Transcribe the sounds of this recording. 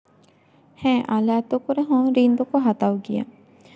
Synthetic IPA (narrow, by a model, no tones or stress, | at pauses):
hɛ̃ːʔalaːt̪okuɾeɦõːɾind̪okoɦat̪awɡija̰